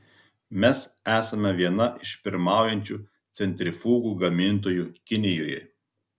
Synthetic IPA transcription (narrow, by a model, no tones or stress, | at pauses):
mʲɛsæːsɐmʲɛʋʲiɛnɐʔɪʃpʲɪɾmɑˑʊjɛnʲt͡ʃʲuː | t̪sʲɛnʲt̪ʲɾʲɪfuːɡuːɡɐmʲɪnt̪̬oːjuːkʲɪnʲɪjoːjɛ̰